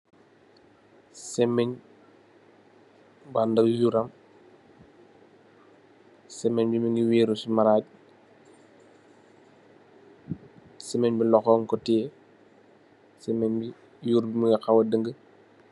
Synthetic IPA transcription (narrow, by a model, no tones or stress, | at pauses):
sɛmɛɲ | bandɐjuɾɐm | sɛmɛɲbimiŋiweːɾusumaɾaːɟ̚ | sɛmɛɲbilɔxɔːŋkɔtɛː | sɛmɛɲbi | juːɾbimiŋɡɐxawɐdəŋɡə